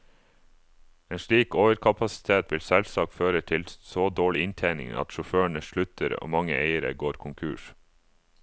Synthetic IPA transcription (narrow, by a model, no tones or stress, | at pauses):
eːnʃɭiːkoːʋəɾkʰɑpʰɑsɪ̥t̪ʰeːt̪ʋɪlsɛlsɑːkføːɾət̪ʰɪlsoːd̪oːɭɪɪnt̪ʰeɪnɪ̰ŋɑ̰t̪ʃʊføːɳəʃɭʉt̪əɾo̰ːmɑŋə̰ʔeɪəɾə̰ɡoːɾkʰʊŋkʰʉ̰ːʃ